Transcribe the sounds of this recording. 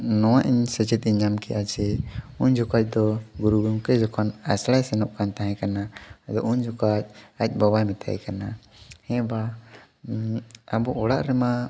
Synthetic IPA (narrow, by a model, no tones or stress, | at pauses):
nɔwaʔiɲsɛt͡ʃɛt̪̚ˀiɲamkɛʔad͡ʒɛuɲd͡ʒɔkac̚ˀd̪ɔɡuɾuɡɾumkɛd͡ʒɔkʰɔnɛslajsɛnɔʔkant̪aɦɛ̃kanad̪ɔʔuɲd͡ʒɔkat͡ʃ̚ac̚ˀbɔbajmɛt̪ʰa̰jkana | hɛ̃ba | abɔʔɔɽaʔɾɛma